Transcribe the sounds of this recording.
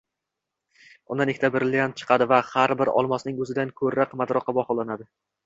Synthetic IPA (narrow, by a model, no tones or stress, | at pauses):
ʊ̰nd̪anɪkʲt̪ʰabɪɾlɪjant̪̚t͡ʃʰɨ̥qʰɑd̪ɪvahaɾbɪɾɒ̰lˠmɒsnɪŋɵzɪd̪ankʰɵɾːaqmad̪ɾɒqʰɑbɒχɒlˠanad̪ɪ